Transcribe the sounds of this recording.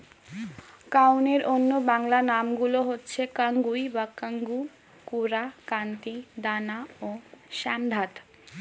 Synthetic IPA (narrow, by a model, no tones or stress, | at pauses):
kawneɾonːobaŋlanamɡuloɦotːɕʰekaŋɡujbakaŋɡu | kuɾakant̪id̪anaoʃamd̪ʱat̪